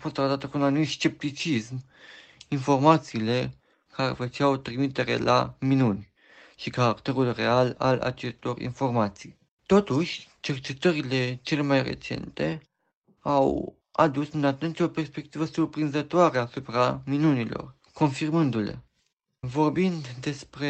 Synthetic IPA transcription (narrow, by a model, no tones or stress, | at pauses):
afo̞st̪ːɾat̪at̪əkunanumit̪st͡ʃe̞p̚t̪it͡ʃism | info̞rmat̪siːle̞ | kaɾe̞̰fət͡ʃawt̪ɾimit̪e̞ɾe̞̰la̰minunʲ | ʃikaɾakt̪e̞ɾulre̞ala̰la̰t͡ʃe̞st̪o̞rḭnfo̞rmat̪sij | t̪o̞t̪uʃʲt͡ʃe̞rt͡ʃe̞t̪əɾile̞t͡ʃe̞le̞majrḛt͡ʃe̞̰nt̪e̞ | aw | ad̪usɨnat̪unt̪ʲo̞pe̞rspe̞k̚t̪ivəsurpɾinzət̪oaɾeasupɾaminunilo̞̰r | ko̞nfirmɨnd̪ulḛ | vo̞rbind̪d̪e̞spɾe